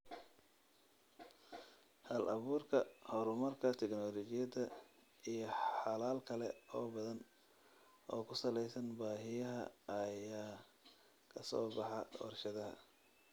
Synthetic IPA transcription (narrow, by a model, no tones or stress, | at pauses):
hɐlʔɐβuːrkʰɐhɔɾʊmɐrkʰɐt̪ʰɛknɔːlɔt͡ʃɪjɐðɐ | ijɞħħɑlaːlkʰɐlɛɔːbɐðɐn | ʔɔːkʰʊsɐlɛjsɐnbaːɦɪjɐɦɐ̰ːjaː | kʰɐsɔ̰ːbɑħɑɔ̰rʃɐðɐɦɐ̰